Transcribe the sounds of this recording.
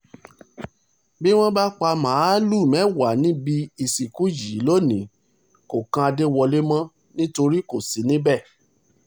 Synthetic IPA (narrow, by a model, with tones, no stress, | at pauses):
bi˦w̃ɔ̃˦ba˦k͡pa˧mãː˨˦lu˦˨mɛ̃˨˦wa˨nĩ˦bi˦i˧si˨ku˨˦ji˨˦lo˦nĩ˨˦ | ko˨kã˧a˧de˦wɔ˧le˦mã˦ | nĩ˦to˧ɾi˦ko˨si˨˦nĩ˦bɛ˦˨